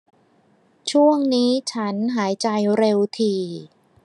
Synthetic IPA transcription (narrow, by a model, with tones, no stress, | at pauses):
t͡ɕʰu˥˩əŋniː˦˥t͡ɕʰa˦˥nɦaː˩˦jt͡ɕa˧jɾe˧wt̪ʰiː˧